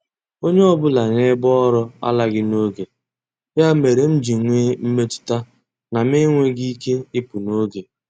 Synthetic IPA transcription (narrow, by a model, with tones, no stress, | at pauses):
o˦ɲe˦ɔ˦bʊ˦la˨ŋe˦bɔ˦ɾɔ˦a̰˦la˦ɡɪ˦no˦ɡe˨ | ja˦me˨ɾe˨n̩˦d͡ʒi˨ŋʷe˦m̩˦me˦tʊ̥˦ta˦ | na˨me˦ŋʷe˦ɡi˦ke˦ɪ˦pʊ˨no˦ɡe˨